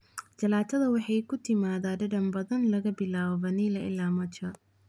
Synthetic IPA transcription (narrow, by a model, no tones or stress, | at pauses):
d͡ʒɐlaːt̪ʰɐðɐwɑħɑjkʰʊt̪ʰɪmaːðaːɖɐɖɐmbɐðɐnlɐɣɐbɪlaːβɐnilɐʔɪ̰laːmɐt͡ʃɐ